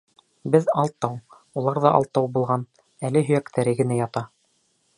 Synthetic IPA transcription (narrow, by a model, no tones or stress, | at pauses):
bɘðɑlˠt̪ːɑw | ulˠɑɾðɑʔɑ̰lˠt̪ːɑwbulˠʁɑn | ælɘɦɵ̆jækt̪ʰæɾɘɡɘ̆næjɑt̪ɑ